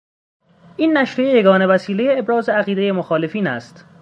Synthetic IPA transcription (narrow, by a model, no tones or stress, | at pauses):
ʔiːnːæʃɾejeje̞ɡɒːne̞væsiːle̞jeːbɾɒːzeæɣiːd̪e̞je̞moxɒːle̞fiːnæ̰st̪